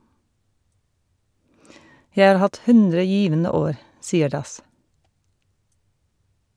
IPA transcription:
ˈjæɪ ˈɑːɾ ˈhɑt ˈhʉndɾə ˈjiːʋənə ˈoːɾ ˈsiːəɾ ˈdɑs

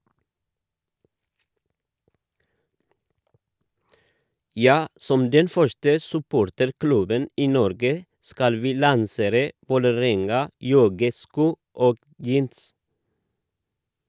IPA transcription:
ˈjɑː ˈsɔm ˈdɛn ˈfœʃtə sʉˈpoːɾtəɾˌklʉbən ˈiː ˈnɔɾɡə ˈskɑl ˈʋiː lɑnˈseːɾə ʋoːləˈɾɛŋɑˌjɔɡəˌskuː ˈoːɡ ˈjiːns

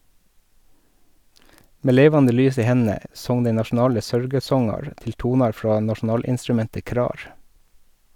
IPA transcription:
ˈmeː ˈleːʋɑndə ˈlyːs ˈiː ˈhɛnn̩ə ˈsɔŋ ˈdæɪ nɑʃn̩ˈɑːlə ˈsœɾɡəˌsɔŋɑɾ ˈtɪl ˈtuːnɑɾ ˈfɾɑː nɑʃn̩ˈɑːlɪnstɾʉˌmɛntə ˈkɾɑːɾ

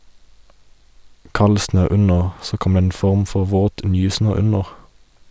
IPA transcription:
ˈkɑl ˈsnøː ˈʉnəʁ ˈsoː ˈkɔm ˈdeː ˈeːn ˈfɔʁm ˈfɔʁ ˈʋoːt ˈnyːˌsnøː ˈʉnəʁ

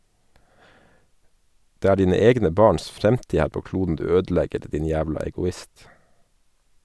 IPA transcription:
ˈdeː ˈæː ˈɖiːnə ˈɛɡnə ˈbɑːɳs ˈfɾɛmtiː ˈhæːɾ ˈpoː ˈkluːdn̩ ˈdʉː ˈøːdˌlɛɡəɾ ˈdiːn ˈjæːʋlɑ ɛɡʊˈɪst

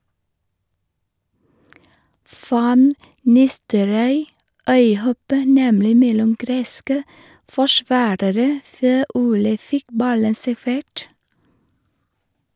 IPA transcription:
ˈfɑn ˈnɪstəɾɔʏ ˈœʏˌhɔpə ˈnɛmlɪ ˈmɛlʊm ˈɡɾeːskə fɔˈʃʋɑːɾəɾə ˈføː ˈuːlə ˈfɪk ˈbɑlən sæˈfeːʈ

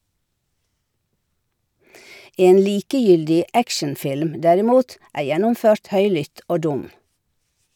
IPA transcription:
ˈeːn ˈliːkəˌjʏldɪ ˈækʃənˌfɪlm ˈdæɾɪˌmuːt ˈæː ˈjɛnʊmˌføːɾt ˈhœʏlʏt ˈoː ˈdʊm

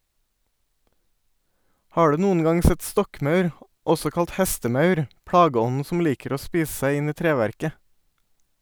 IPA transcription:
ˈhɑː ˈɖʉː ˈnuːən ˈɡɑŋ ˈsɛt ˈstɔkˌmɑʉɾ ˈɔsɔ ˈkɑlt ˈhɛstəˌmɑʉɾ ˈpɽɑːɡəˌɔnn̩ ˈsɔm ˈliːkəɾ ˈoː ˈspiːs ˈsæɪ ˈɪn ˈiː ˈtɾeːʋæɾkə

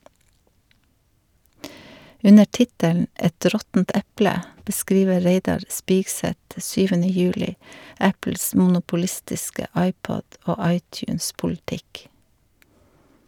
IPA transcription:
ˈʉnə ˈʈɪtəln̩ ˈʔɛt ˈɾɔtn̩t ˈɛplə bəˈskɾiːʋə ˈɾeɪdɑɾ ˈspiːɡˌsɛt ˈsyːʋənə ˈjʉːlɪ ˈæpl̩s mn̩ʊpʊˈlɪstɪskə ˈɑɪˌpɔd ˈoː ˈɑɪˌtjʉːnspʊlˌtɪk

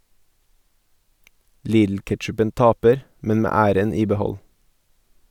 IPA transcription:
ˈliːdl̩ˌkɛʈʃʉpənt ˈɑːpəɾ ˈmɛn ˈmeː ˈæːɾən ˈiː bəˈhɔl

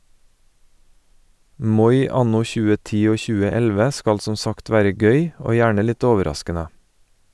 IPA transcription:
ˈmɔʏ ˈɑnʊ ˈçʉːə ˈtiː ˈoː ˈçʉːə ˈɛlʋə ˈskɑl ˈsɔ ˈsɑkt ˈʋæːɾə ˈɡœʏ ˈoː ˈjæːɳə ˈlɪt ˈoːʋəˌɾɑskənə

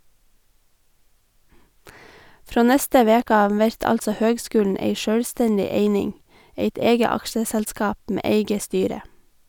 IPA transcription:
ˈfɾoː ˈnɛstə ˈʋeːkə ˈɑːʋ ˈʋɛɾt ˈɑltsə ˈhøːɡˌskʉːln̩ ˈeɪ ˈʃœɽˌstɛndɪ ˈeɪnɪŋ ˈeɪt ˈeːɡə ˈɑkʃəsɛlˌskɑːp ˈmeː ˈeɪɡə ˈstyːɾə

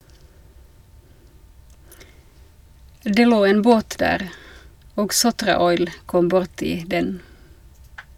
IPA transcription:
ˈdeː ˈloː ˈeːn ˈboːt ˈdæːʁ ˈoːɡ ˈsʊtʁɑˌɔʏl ˈkɔm ˈbʊʁtɪ ˈdɛn

